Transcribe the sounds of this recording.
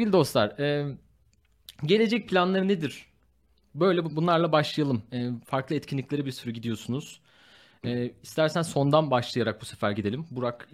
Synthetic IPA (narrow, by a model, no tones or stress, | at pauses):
seɾɟʲilʲid̪o̞slˠaɾ̥ɛː | ɟe̞lʲe̞d͡ʒɛc̚pʰlʲanlˠaɾɯned̪iɾ̥ | bø̞jlʲɛbunlˠaɾlˠabaʃlˠajalˠɯmɛːfaɾklˠɯɛt̪cʰinlʲiclʲe̞ɾɛbiɾsyɾyɟid̪ijo̞sunuz̥ | ɛːist̪ʰæɾsænso̞nd̪anbaʃlˠɯjaɾak̚busefæɾɟid̪elʲimbuɾak